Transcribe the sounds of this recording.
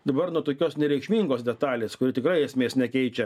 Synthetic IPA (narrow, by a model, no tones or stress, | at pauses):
d̪ɐbɐrnuɔt̪oːkʲoːsnʲɛɾʲɛɪkʃʲmʲiːŋɡoːsdʲɛt̪ɑːlʲeːskʊɾʲɪt̪ʲɪkɾɐɪɛsʲmʲeːsnʲɛkʲɛɪt͡ʃʲɛ